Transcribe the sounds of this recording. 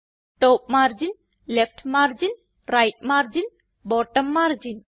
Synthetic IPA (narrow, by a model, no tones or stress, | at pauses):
ʈɔːp̚maːɾd͡ʒin | lepʰʈʰmaːɾd͡ʒin | ɾajʈ̚maːɾd͡ʒin | bɔːʈəmːaːɾd͡ʒin